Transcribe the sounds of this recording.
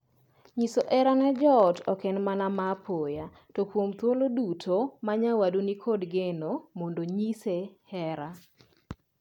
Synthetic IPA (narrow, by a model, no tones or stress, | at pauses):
ɲisoʔɛɾanɛd͡ʒɔtɔkɛnmanamapʰoja | tokwomt̪wolodutʰomaɲawadunikʰodɡenomondoɲisehɛɾa